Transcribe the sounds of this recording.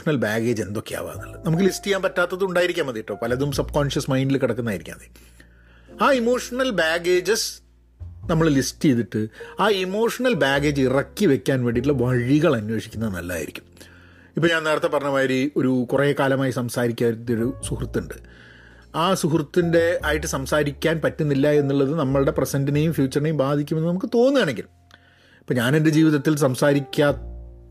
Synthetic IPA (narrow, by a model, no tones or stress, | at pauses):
ɐnɐlbaːɡe̞ːd͡ʑe̞nd̪o̞kːea̰ːʋa̰ːnɐ̰ɭːɐnɐmuk̬ːɨlistɨjaːmpɐtːaːt̪ːɐðɨuɳɖaːjiɾikʲːaːmɐðiʈːoːpɐlɐðumsɐb̚koːnʂɐsmɐjndilkiɽɐkːunːaːjiɾikʲːa̰ːɐðe | aːimo̞ːʂɐnɐlbaːɡeːd͡ʑɨs | nɐmːɐɭlistɨjeðiʈːɨaːimo̞ːʂɐnɐlbaːɡe̞ːd͡ʑɨirɐkːiʋe̞kʲːaːnʋeːɖitulːɐʋɐɻiɣɐɭɐnwe̞ːʂikʲːunːɐðɨnɐlːa̰ːjḭɾḭkʲːu̥m | ipːoɲaːneːɽɐt̪ːɐpɐrɐɲːɐmaːjɐɾio̞ɾukureːkaːlɐmaːjisɐmsaːɾikʲːaːɾt̪ːioɾusuhrt̪ːuɳɖɨ | aːsuhrt̪ːinde̞aːjiʈːɨsɐmsaːɾikʲːaːnpɐtːunːilːɐe̞nːuɭːɐðɨnɐmːɐɭɽe̞presɐndinejumfjuːt͡ɕːɐrinejumbaːd̪ʱikʲːume̞nːɨnɐmukːɨt̪o̞ːnːuaːɳeŋɡilm | ipːoːɲaːnended͡ʑiːʋiðɐt̪ːilsɐmsaːɾikʲːa